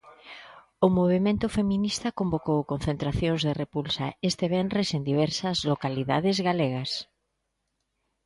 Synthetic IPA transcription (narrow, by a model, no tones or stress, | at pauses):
omoβ̞emẽnt̪ofemĩnist̪akombokowkon̟θent̪ɾaθjoŋzðerepulsa̰est̪eβenrɾesend̪iβ̞ɛɾsazlokaliðaðezɣaleɣ̞as